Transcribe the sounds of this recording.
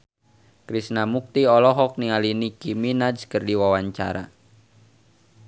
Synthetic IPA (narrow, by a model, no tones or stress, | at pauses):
kɾisnamuk̚t̪iɔlɔɦɔk̚nialinikiminad͡ʒkərdiwawaɲt͡ʃa̰ɾa̰